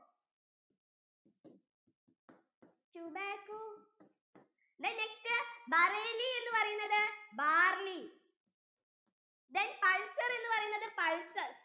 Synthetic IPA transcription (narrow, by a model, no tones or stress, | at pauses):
t͡ɕumekːu | d̪ɐnekstɨbɐreːlie̞nːupɐrɐjunːɐðɨbaːrli | d̪ɐnpɐɻsɐre̞nːupɐrɐjunːɐðɨpɐɻsɐr